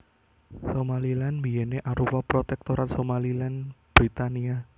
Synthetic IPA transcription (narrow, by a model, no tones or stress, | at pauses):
somalilanmijɛneʔaɾuwapɾot̪ɛk̚t̪oɾat̪somalilanb̥ɾit̪ania